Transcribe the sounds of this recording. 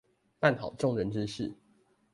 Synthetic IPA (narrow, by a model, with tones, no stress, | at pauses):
pa˥˨nt̪ʰɑ˨˩ʊʈ͡ʂʊ˥˨ŋɻə˨˦nʈ͡ʂɻ̩˥˦ʂɻ̩˥˨